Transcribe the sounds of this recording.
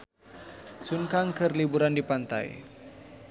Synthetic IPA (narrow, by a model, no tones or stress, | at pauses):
sunkaŋkərlibuɾandipant̪a̰j